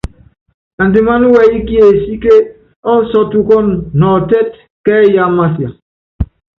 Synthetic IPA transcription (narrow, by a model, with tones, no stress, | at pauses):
a˨n˨di˨ma˦nu˦wɛ˦i˦ki˦e˨si˦ke˦ | ɔ˦sɔ˦tu˦kɔ˦nnɔ˨tɛ˦t̚ | kɛ˦ja˦ma˦sja˨